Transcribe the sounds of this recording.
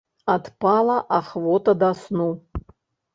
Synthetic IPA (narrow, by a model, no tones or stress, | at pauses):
at̪palˠɐʔaχvɔt̪ɐd̪asnu